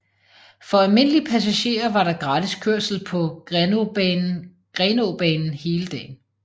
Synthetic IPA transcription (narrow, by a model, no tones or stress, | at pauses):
fɒ̽ælme̝n̰əlipʰæs̬æɕe̝̰ːɐʋɑ̈ɾɑ̈ɡ̥ʁɑ̈ːd̥iskʰøɐ̰sl̩pʰɒ̽ | ɡ̥ʁɛːno̝b̥ɛːnn̩he̝ːləd̥ɛ̰ːn